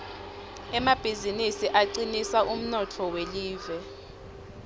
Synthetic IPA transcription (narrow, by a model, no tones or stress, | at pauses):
ɛmab̥ʱizinisiʔaǀinisaʔum̩nɔtʰɔweliːvɛ